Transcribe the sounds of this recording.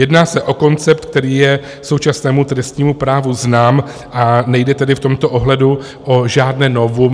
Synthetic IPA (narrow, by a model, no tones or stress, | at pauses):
jɛdnaːsɛʔo̞ko̞nt͡sɛpt̪k̚t̪ɛɾiːjɛ | so̞wt͡ʃasnɛːmut̪ɾɛst̪ɲiːmupɾaːvuznaːm | ʔanɛjdɛt̪ɛdɪft̪o̞mt̪o̞ʔoɦlɛdu | ʔoʒaːdnɛːno̞vu